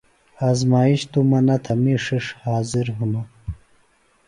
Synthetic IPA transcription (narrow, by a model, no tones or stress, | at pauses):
aːzmaːiɕt̪umɐnɐt̪ʰɐmiʂiʂhaːziɾɦunu